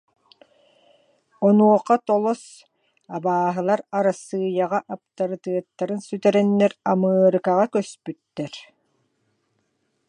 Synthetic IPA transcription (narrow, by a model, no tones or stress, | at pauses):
ɔnuɔqːat̪ɔlˠɔs | abaːɦɯlˠaɾaɾasɯːjaʁaʔap̚t̪aɾɯt̪ɯɐt̪ːaɾɯnsyt̪ɛɾɛnːɛɾamɯːɾɯkaʁakœspyt̪ːɛɾ